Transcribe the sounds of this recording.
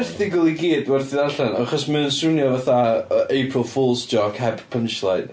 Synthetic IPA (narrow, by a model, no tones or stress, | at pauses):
θdɪɡʊlˠiɡiːdwɛrθiðaɬanaχɔsmənənsʊnjɔvaθaejpʰrəlˠfuːlˠsdɔkʰɛbpʰənʃlˠajd